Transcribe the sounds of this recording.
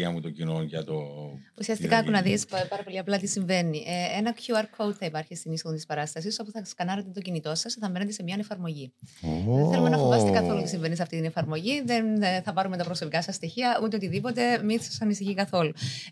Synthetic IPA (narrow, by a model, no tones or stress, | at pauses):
ɐmut̪ocinonʝɐt̪ousiɐst̪ikɐkunɐðispɐɾɐpo̞liɐplɐt̪isiɱve̞niʔeenɐkçuɐɾkʰowd̪θɐipɐɾçist̪inisoont̪ispɐɾɐst̪ɐsiso̞puθɐskɐnɐɾet̪et̪ocinit̪o̞sɐsθɐve̞net̪ese̞miɐne̞fɐɾmo̞ʝi | enθe̞lumenɐfovɐst̪ekɐθo̞lut̪isiɱve̞nis̬ɐft̪it̪inefɐɾmo̞ʝiðe̞nθɐpɐɾument̪ɐpɾo̞so̞pikɐsɐsːt̪içiɐut̪eo̞t̪iðipo̞t̪e̞misɐsɐnisiçikɐθo̞lu